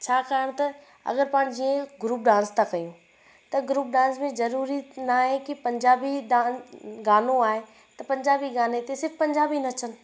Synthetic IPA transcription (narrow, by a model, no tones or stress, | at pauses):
t͡ɕʰaːkaːɦɪɽ̃t̪ɐ | ɐ̰ɣəɾpãːɽ̃̆d͡ʑiːẽɡɾuːp̚ɖãːnst̪ʰãkɐjũ | t̪ɐɡɾuːp̚ɖãːnsmẽzɐɾuːɾinaɦẽkipɐ̃ɲd͡ʑaːbiɖãːɡaːnõaːɦe | t̪ɐpɐ̃ɲd͡ʑaːbiɡaːnet̪esɪɾfpɐ̃ɲd͡ʑaːbinɐt͡ɕənɪ̆